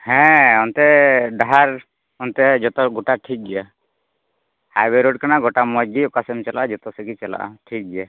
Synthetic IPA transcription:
hɛ̃ɔnt̪ɛɖaɦaɾ | ɔnt̪ɛd͡ʒɔt̪ɔɡuʈaʈʰik̚d͡ʒɛja | hajbɛɾoɖ̚kanaɡɔʈamɔd͡ʒɡiɔkasɛmt͡ʃɛlaʔad͡ʒɔt̪ɔsɛkit͡ʃɛla̰ʔa̰ʈʰik̚d͡ʒɛja

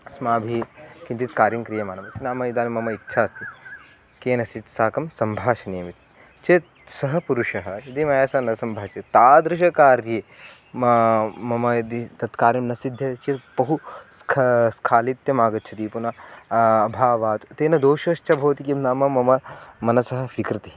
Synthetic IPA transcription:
smaːbʱikint͡ʃ̪it̪kaːɾjimkɾijɐmaːnɐmɐsinaːmɐid̪aːnimɐmɐit̪ːʃʰaːst̪i | keːnɐsit̪saːkɐmsɐmbʱaːʃɐneːmit̪i | t͡ʃe | sɐɦɐpuɾuʃɐɦɐɐd̪imɐjaːsaːnɐsɐmbʱaːt͡ʃet̪aːd̪ɾɪʃ̬ɐkaːɾjeː | mɐmɐmɐjɐd̪it̪ɐt̪kaːɾjɐmnɐsid̪ʱjɐt͡ʃit̪pɐɦuskʰskʰaːlit̪jɐmaːɡɐt̪̚t͡ʃʰɐt̪iːpunɐː | bʱaːʋaːt̪t̪eːnɐd̪oːʃɐʃt͡ʃʰɐbʱɐːt̪ikimnaːmɐmɐmɐmɐnɐsɐɦɐʋikɾɐt̪i

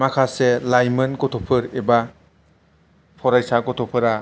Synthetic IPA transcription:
makʰaselajmɯnkɔtʰɔpʰɯɾeba | pʰɔɾajsakɔtʰɔpʰɯɾa

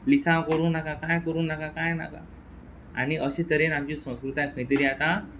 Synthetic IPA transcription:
lisãkəɾuːnnakãkajkəɾuːnːakakajna̰ka̰ | a̰niʔəɕẽt̪əɾenamt͡ɕisə̃w̃skɾut̪jãkʰə̃jt̪iɾiat̪a

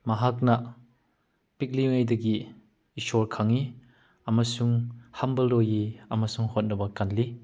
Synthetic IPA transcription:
mɐɦak̚nɐ | pik̚liŋɐjdɐɡiː | sɔɾkʰɐŋi | ɐmɐsuŋhɐmbɐlɾojiɐmɐsuŋhot̚nɐbɐkɐnli

